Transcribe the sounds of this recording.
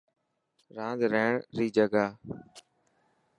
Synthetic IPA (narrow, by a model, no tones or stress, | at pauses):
ɾãːd̪ɾeːɳɾiːd͡ʒəɡaː